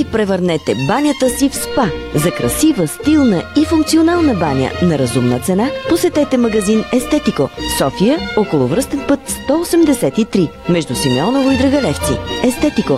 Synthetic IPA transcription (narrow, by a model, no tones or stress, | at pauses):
ipɾɛvəɾnɛt̪ɛbanʲət̪əsifspazɐkɾɐsivəst̪ilˠnəifuŋk̚t̪sionalˠnəbanʲə̰nɐɾɐzumnət̪sɛnaposɛt̪ɛt̪ɛmɐɡɐzinɛst̪ɛt̪ikosɔfijəokolˠʊvɾɤst̪ɛnpɤt̪st̪ɔosɛmd̪ɛsɛt̪it̪ɾi | mɛʒd̪usimɛɔnovʊid̪ɾəɡɐlɛft̪sḭɛst̪ɛt̪iko